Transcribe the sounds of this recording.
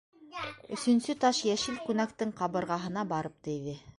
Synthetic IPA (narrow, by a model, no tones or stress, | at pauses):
ɵ̆sɵ̆nsɵt̪ɑʃjæʃɘlkʉnæk̚t̪ɘɴqɑβɤ̆ɾʁɑɦɤ̆nɑbɑɾɤp̚t̪ɘ̆jðɘ